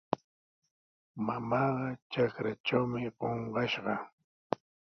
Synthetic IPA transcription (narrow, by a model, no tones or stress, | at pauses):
mamɑːɢɑt͡ʃakɾat͡ʃawmɪɢoɴɢɑʃɢɑ